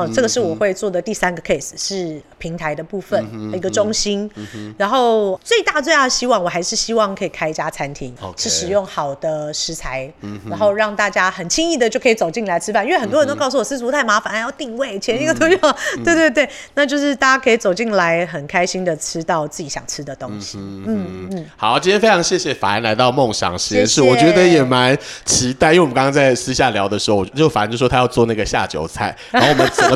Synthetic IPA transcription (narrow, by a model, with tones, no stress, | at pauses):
ʈ͡ʂə˥˩ɡə˩ʂɻ̩˥˩wɔ˨˩xwe˥˧ɪt͡swɔ˥˩d̪ə˩t̪i˥˩sa˦nɡə˨kʰe˥˩ɪs̩˨˩ʂɻ̩˥˩pʰi˧˦ŋt̪ʰa˧ɪd̪ə˧pu˥˧fə˨ni˧˥ɡə˧˨ʈ͡ʂʊ˥ŋɕi˥nɻa˧˥nxo˥˩ʊt͡swe˥˧ɪt̪a˥˩dət͡swe˥˧ɪj̪ə˩ɕi˥wɑ˥˩ŋwɔ˨˩xa˧˥ɪʂɻ̩˥˩ɕi˥wɑ˥˩ŋkʰɤ˧˥i˨˩kʰa˥ɪt͡ɕja˦˥t͡sʰa˧˦nt̪ʰi˨˥˦ŋʂɻ̩˥˩ʂɻ̩˨˩jo˥˩ŋxɑ˨˩ʊd̪̥ə˦ʂɻ̩˧˥t͡sʰa˧˦ɪa˧˥nxo˥˧ʊɻɑ˥˧ŋt̪a˥˩t͡ɕja˥xə˨˩nt͡ɕʰi˥ŋi˥˩d̪ə˩t͡ɕjo˥˩ʊkʰi˨˩t͡so˨˩ʊt͡ɕi˥˩ŋla˧˦ɪʈ͡ʂʰɻ̩˥fa˥˩ni˥we˥˩xə˨˩nt̪wə˧nt̪o˥ksu˥˩wɔ˨˩s̩˥t͡su˧˥t̪ʰa˥˩ɪma˧˥fa˨˩n˧˥jʊt̪i˥˧ŋwe˥˩ɪt͡ɕʰi˨ɛ˧˦ni˥˩ɡə˨˩t̪o˥ʊjo˥˩˥t̪we˥˧ɪt̪we˥˧t̪wɪna˥˧t͡ɕjo˥˧ʊʂɻ̩˥˧t̪a˥˩t͡ɕja˥˩kʰə˧˥i˨˩t͡so˨˩ʊt͡ɕi˥˩ŋla˧˦ɪxə˨˩nkʰa˥ɪɕi˥ŋd̪ə˨ʈ͡ʂ̩ʰ˥t̪ɑ˥˩ʊt͡sɨ˥˩t͡ɕi˨˥˩ɕjɑ̰˨˩ŋʈ͡ʂʰɻ̩˥d̪ə˨t̪o˦˥ŋɕi˨n̩˥˩n̩˥˩xɑ˨˩˦ʊt͡ɕi˥nt̪ʰjɛ˥fe˥ɪɑ˧˥ŋɕjɛ˥˩ɕjɛ˨˩fa̰˨˩i˧˥nla˧˥ɪt̪ɑ˥˧ʊmo˥˩ŋɕjɑ̰˨˩ŋɕɛ˥nʂɻ̩˥˩wɔ˨˩t͡ɕɥɛ˧˥d̪ə˧jɛ˨˩ma˧˦nt͡ɕʰi˧˥t̪a˥˩ɪi˥˧˨kɑ˦ŋɑ˥t͡sa˥˩ɪʂʰɹɻ̩˥ɕ̬ja˥˩ljɑ˧˥ʊd̪ə˨ʂɻ̩˧˥xo˥˩wɔ˨˩˧t͡ɕo˥˩ʊ˩fa˨˩˥t͡ɕj̩˥˩wɔ˥a˥jʊt͡swɔ˥˧˦na˥˩ɡə˩ɕja̰˥˨˩t͡ɕjo̰˧˥ʊt͡sʰa˥˩ɪ | a˥˩wɔ˨˩ə˦nt͡sə˨ə˦